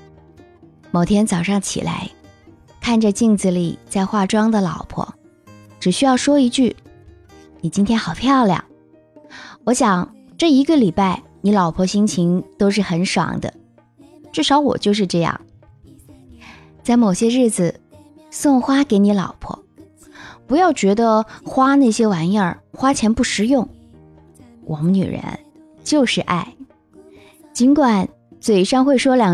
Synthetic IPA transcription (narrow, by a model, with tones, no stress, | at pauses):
mo˨˩ʊt̪ʰjɛ˥nt͡sɑ˨˩ʊʂɑ˥˩ŋt͡ɕʰḭ˨˩la̰˧˥ɪ | kʰa˥˩nʈ͡ʂə˧t͡ɕi˥˩ŋt͡s̩˨˩lḭ˨˩t͡sa˥˧ɪxwa˥˩ʈ͡ʂwɑ˥ŋd̪ə˨lɑ˨˩ʊpʰwɔ̰˥ | ʈ͡ʂɻ̩˨˩ɕy˥jɑ˥˩ʊʂwɔ˥i˧˥t͡ɕy˥˩ | ni˨˩t͡ɕi˥nt̪ʰjɛ˥nxɑ˨˩ʊpʰjɑ˥˧ʊljɑ̰˨˩ŋ | wɔ˧˥ɕjɑ˨˩ŋ | ʈ͡ʂɤ˥˩i˧˥ɡə˧li˨˩pa˥˩ɪ | ni˧˥lɑ˨˩ʊpʰwɔ˧˥ɕi˥ŋt͡ɕʰi˧˥ŋt̪o˥ʊʂ̬ɻ̩˥˩xə˧˥nʂɑ̰˧˥ŋd̪ə̰˧ | ʈ͡ʂɻ̩˥˩ʂɑ˧˥ʊwɔ̰˨˩t͡ɕjo˥˧ʊʂ̬ɻ̩˥˧ʈ͡ʂɤ˥˧jɑ̰˥˩ŋ | t͡sa˥˩ɪmo˨˩ʊɕjɛ˥ɻɻ̩˥˩d͡zɹ̩˩ | sʊ˥˩ŋxwa˥ke˧˥ɪni˧˥lɑ̰˨˩ʊpʰwɔ̰˥ | pu˧˥jɑ˥˩ʊt͡ɕɥɛ˧˥d̪ə˧xwa˥na˥˩ɪɕjɛ˥wa˧˥njə˞˥˧˩xwa˥t͡ɕʰjɛ˧˥npu˥˩ʂɻ̩˧˥jʊ˥˩ŋ | wʔɔ˨˩mə˦ny̰˨˩ɻə̰˧˥n | t͡ɕjo˥˧ʊʂɻ̩˥˧ʔa̰˥˩ɪ | t͡ɕi˧˥nkwa˨˩n | t͡swe˨˩ɪʂɑ˥ŋxwe˥˩ɪʂwɔ˥ljɑ˨˩